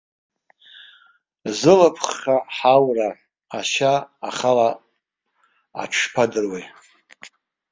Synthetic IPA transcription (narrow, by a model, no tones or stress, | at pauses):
zɨlapʰχaħawra | aʃaːχala | a̰ʈ͡ʂʰpʰadɨrwej